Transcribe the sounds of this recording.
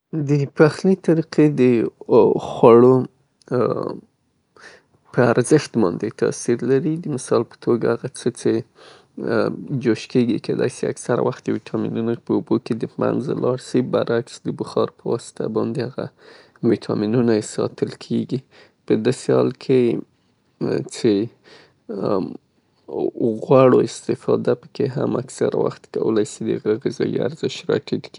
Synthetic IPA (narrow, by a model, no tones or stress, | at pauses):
d̪əpaxnit̪aɾiqʰed̪ə | xwaɽo | pʰəaɾzɪʃt̪mɑnd̪et̪ʰɑ̰siɾlaɾid̪əmɪsɑlpə̥t̪ʰoɡahaɣat͡sət͡se | d͡ʒoʃkeɡikʰed̪ɑ̰jsea̰ksaɾa̰waxt̪̚d̪əwit̪ʰɑmḭnunopəuboked̪əma̰nzlɑɽʃibaɾaksd̪əbʊxɑɾpəwɑsɪ̥t̪ʰabɑnd̪ehaɣa̰ | wit̪ʰɑminunasɑt̪ʰəlkʰeɡi | pəd̪ɑsehɑlkʰe | t͡se | ɣwaɽoɪst̪ɪfɑd̪apə̥keɦamaksaɾawa̰xt̪kawəlajsid̪ə̰ɣəɣɪzɑjia̰ɾzɪʃɾɑʈidki